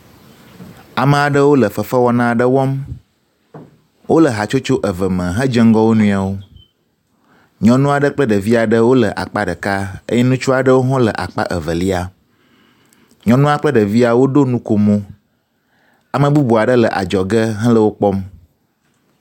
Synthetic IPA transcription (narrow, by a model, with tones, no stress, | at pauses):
a˨mə̃˨a˨ɖə˦wo˦lə˨fə˨fə˦wɔ˦nã˦˨ɖə˦wɔ˦m | wʔo˦lə˨ɦa˨t͡ʃo˦t͡ʃo˦ʔə˨və˨mə̃˨ɦə̃˦d͡ʒə˦ŋ˦ɡɔ˦wo˦nũ˦a˨wo˦ | ɲɔ̃˨nũ˦a˨ɖə˦k͡plə˦ɖə˨vi˦a˨ɖə˦wo˦lə˨ʔa̰˨k͡pa˦ɖə˨ka˦ə̰˦jɛ˦nũ˦t͡ʃu˦a˨ɖə˦wo˦ɦɔ̃˦lə˨ʔa̰˨k͡pa̰˦ʔə˨və˨li˦a˨ | ɲɔ̃˨nũ˦a˦k͡plə˦ɖə˨vi˦a˨wo˦ɖo˦nũ˦ko˨mõ˦ | a˨mə̃˨bu˦bu˨a˨ɖə˦lə˨ʔa̰˨d͡ʒɔ˨ɡə˦ɦə̃˦lə˦wo˦k͡pɔ˦m